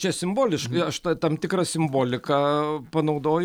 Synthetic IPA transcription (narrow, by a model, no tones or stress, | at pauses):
t͡ʃʲɛsʲɪmboːlʲɪʃkɐɪɐʃt̪ɐt̪ɐmt̪ʲɪkɾɐsʲɪmboːlʲɪkɐpɐnɐʊd̪oːj